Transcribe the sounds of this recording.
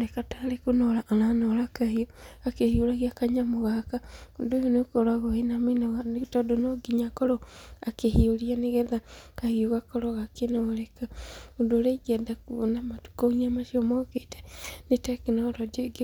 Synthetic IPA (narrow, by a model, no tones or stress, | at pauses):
nekataːɾekunolaʔːnanolakahioakehiolaɣiakaɲamoɣakaundojonekoɾwaɣoenaminoɣaneutadonoɡiɲakɔɾoakehioɾianeɣeðakahioɣakoɾoɣakenoɾekaundoɾeɡɛdakunamatu̥koŋiamaʃiomokete̥netakenoɾod͡ʒeɡe